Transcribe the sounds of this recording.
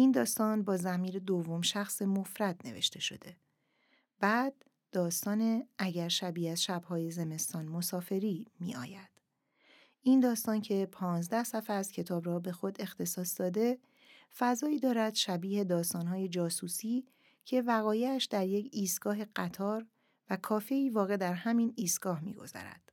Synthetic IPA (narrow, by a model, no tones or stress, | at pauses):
ʔind̪ɒːst̪ɒːnbɒːzæmiːɾe̞d̪ovːo̞mʃæxsemo̞fɾæd̪̥̚ne̞̰ve̞̰ʃt̪ʰe̞ʃo̞̰d̪e̞ | b̥æːd̪̥̚ː | ɒːst̪ɒːneʔæɟæɾʃæbiːæzʃæbhɒːje̞ze̞me̞st̪ɒːnmo̞sɒːfe̞ɾiːmḭːʔɒ̰ːjæd̪̥ | ʔind̪ɒːst̪ɒːncʰe̞pʰɒːnzd̪æhsæfææz̥cʰe̞t̪ʰɒːbɾɒːbe̞xo̞d̪e̞xt̪ʰe̞sɒːsd̪ɒːd̪e̞ | fæzɒːiːd̪ɒːɾæd̪̥ʃæbiːhe̞d̪ɒːst̪ɒːnɦɒːje̞d͡ʒɒːsuːsiː | cʰe̞væɣɒːjeæʃd̪æɾje̞cʰiːst̪ɡ̥ɒːɦe̞ɢæt̪ʰɒːɾ | vækʰɒːfe̞iːvɒːɣe̞d̪æɾhæmiːniːst̪ɡ̥ɒːhmḭːɡo̞̰zæ̰ɾæ̰d̪̥